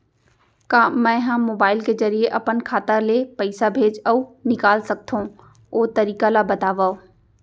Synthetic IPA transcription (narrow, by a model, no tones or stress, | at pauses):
kaːmɛ̃ːɦɐ̃moːbaːɪlkezɐɾijeʔɐpənkʰaːt̪əɾlepɐɪsabʱeːd͡ʒɔunɪkaːlsɐk̚t̪ʰũ | oːt̪ɐɾiːkalabɐt̪aːʋao